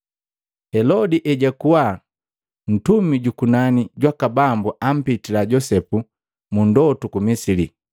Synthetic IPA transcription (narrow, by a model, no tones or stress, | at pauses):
hɛlɔdiʔɛɟakuwa | n̩tumiɟukunaniɟwakabambuʔam̩pitilaɟɔsɛpu | mundɔtukumisili